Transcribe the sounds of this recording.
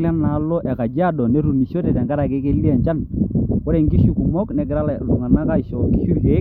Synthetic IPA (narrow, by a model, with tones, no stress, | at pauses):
la˦na˨lo˦ʔɛ˨ka˨d͡ʒi˦a˦dɔ˨ne˦ɾu˨ni˨ʃo˦te˨tɛ˨ŋɡa˦ɾa˨ke˦ke˦li˦a˨ɲt͡ʃa˦nko˦ɾe˨ŋɡi˦ʃu˨ku˨mɔ˦knɛ˨k̬ɪ˨ɾa˦llu˨ŋa˨na˦ka˦i˨ʃɔ˨ki˦ʃu˦ke˨˦